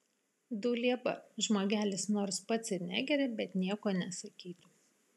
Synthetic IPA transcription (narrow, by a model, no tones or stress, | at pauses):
d̪ʊlʲiɛbɐ̰ʒmoːɡʲæːlʲɪsnoːɾspɐt̪sʲɪɾʲnʲæ̰ːɡʲɛɾʲɛbʲɛt̪nʲiɛkoːnʲɛsɐkʲiːt̪uː